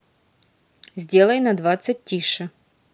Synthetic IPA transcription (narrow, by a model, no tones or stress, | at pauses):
zʲdʲe̞lˠəjnɐd̪vat̪sɨt̚ʲtʲːiʂɨ